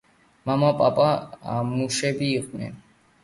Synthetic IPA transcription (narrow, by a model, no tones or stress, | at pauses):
mamapʼapʼaamuʃɛbiːqʼnɛ̰n